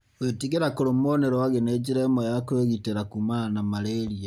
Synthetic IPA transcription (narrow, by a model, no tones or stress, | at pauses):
wetiɣeɾakoɾomoneɾɔwaɣened͡ʒeɾaːmɛjakweɣiteɾakumanamaɾeɾia